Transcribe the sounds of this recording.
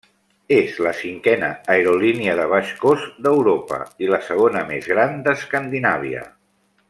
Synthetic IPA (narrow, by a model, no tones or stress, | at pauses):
ezləsiŋkɛnəːeɾoliniəðəβ̞aʃkozd̪əwɾopə̰iləsəɣ̞onəmezɣɾand̪əskand̪inaβ̞iə̰